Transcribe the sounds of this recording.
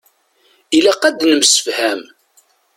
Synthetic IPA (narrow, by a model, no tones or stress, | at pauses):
ilæqːæd̪nəmsə̥fhæm